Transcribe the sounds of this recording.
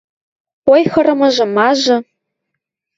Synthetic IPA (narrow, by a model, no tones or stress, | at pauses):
ojxɤ̆ɾɤ̆mɤ̆ʒɤ̆mɑʒɤ̆